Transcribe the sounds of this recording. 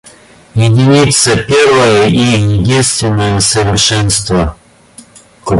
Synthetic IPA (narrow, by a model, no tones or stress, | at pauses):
jɪdʲɪnʲit̪səpʲervəjəijɪdʲinst̪vʲɪnːəjəsəvʲɪrʂɛnst̪və | k